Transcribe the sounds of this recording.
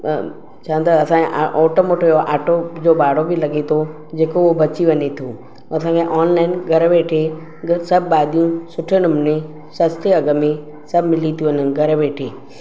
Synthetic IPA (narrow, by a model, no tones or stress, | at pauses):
t͡ʃʰãnd̪əɐsãkeʔaʔɔːʈomoːʈojoʔaːʈod͡ʒobaːɽobʱilɐɡet̪ʰo | d͡ʑeːkoobɐt͡ʃiʋɐnet̪ʰũ | ɐsãːkẽʔɔːnlaːɪnɡʱɐɾʋeːʈʰe | sɐbːaːd̪ijũsʊʈʰəɽ̃ʊmne | sɐst̪ʰjeɐɡəme | sɐbmɪlit̪ʰijũənənɡɐɾʋeːʈʰeː